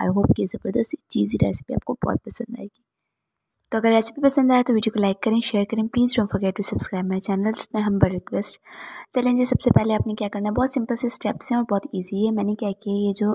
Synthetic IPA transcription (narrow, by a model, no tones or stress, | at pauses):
a̰ːɪɦoːpkejezɐbəɾd̪əst̪it͡ʃiːziɾɛ̰ːsɪ̥pia̰ːp̚kobɔ̰ːt̪̚pɐsə̃nd̪a̰ːeɡiː | t̪oːɐɡəɾːɛːsɪ̥pipɐsə̃nd̪aːet̪oʋiːɖijokolaːɪkːɐɾẽʃeːəɾkɐɾẽpliːzɖõːnfɔɾɡɛʈːusɐbskɾaːɪbmɛ̃t͡ʃɛːnəlsmẽɦɐ̃mbɐɾɪkʋesʈt͡ʃɛlẽːɲd͡ʒesɐb̥sepɛɦleaːpnekjakɐɾnaɦɛbɔːt̪sɪ̃mpəlsesʈɛpsɦɛ̃ɔːɾbɔːt̪iːziɦɛmɛ̃ːnekjɛɦkejed͡ʒoː